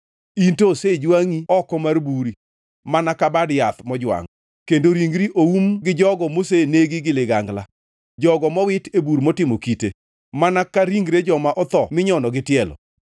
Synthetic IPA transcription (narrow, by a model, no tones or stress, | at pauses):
intosed͡ʒwaŋiɔkɔmarbuɾi | manakabadjat̪mɔd͡ʒwa̰ŋ | kendoɾiŋɡɾiʔoumɡɪd͡ʒɔɡɔmoseneɡiɡɪlɪɡaŋɡla̰ | d͡ʒɔɡɔmɔwɪtebuɾmɔtɪmokite | manakaɾiŋɡɾed͡ʒɔmaʔɔt̪ɔmɪɲɔnɔɡɪtɪɛlɔ̰